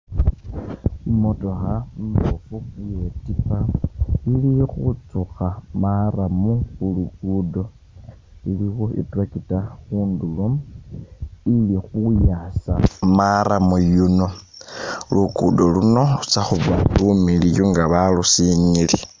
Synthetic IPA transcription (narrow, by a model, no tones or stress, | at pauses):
imotoxampofuujotipailixut͡suxamaɾamuxulukudo̞ | ilixoḭtwakitaxuːndulo | ilixujasa̰maɾamujuno̞ | lukudoluno̞ut͡saxuβalumilijoŋɡaβalusiɲili